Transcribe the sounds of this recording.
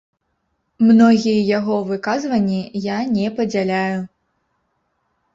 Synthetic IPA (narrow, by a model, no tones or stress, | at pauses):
mnɔɣʲijɛjaɣɔvɨkazvɐnʲːijanʲɛpɐd͡zʲalʲaju